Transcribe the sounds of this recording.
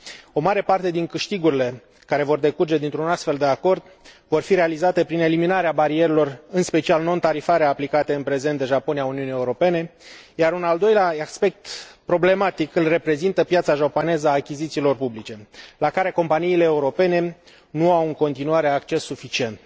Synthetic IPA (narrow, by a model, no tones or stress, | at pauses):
o̞maɾe̞part̪e̞d̪iŋkɨʃt̪iɡuɾile̞ | kaɾe̞vo̞rd̪e̞kurd͡ʒe̞d̪int̪ɾunast̪fe̞ld̪e̞ako̞rd̪ | vo̞rfiɾe̞alizat̪e̞pɾine̞liminaɾeabaɾieɾelo̞rɨnspe̞t͡ʃialno̞nt̪aɾifaɾeaːplikat̪e̞ɨnpɾe̞ze̞nt̪d̪eʒapo̞nijauniunie̞uɾo̞pe̞ne̞jaɾunald̪o̞jleaaspe̞k̚t̪pɾo̞ble̞mat̪ikɨlre̞pɾe̞zint̪əpjat̪saʒapo̞ne̞zəaːkʲizit̪siːlo̞rpublit͡ʃe̞lakaɾe̞ko̞mpaniːle̞ːuɾo̞pe̞ne̞ | nuawɨŋko̞nt̪inuaɾe̞akt͡ʃe̞sːufit͡ʃie̞nt̪̚